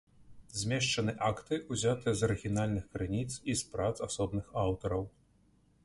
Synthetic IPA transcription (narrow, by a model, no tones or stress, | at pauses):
zʲmʲɛʂt͡ʂɐnɨʔakt̪ɨʔuzʲat̪ɨjɐzɐɾɨɣʲinalʲnɨxkɾɨnʲit̪sispɾat̪sasɔbnɨxawt̪ɐɾɐw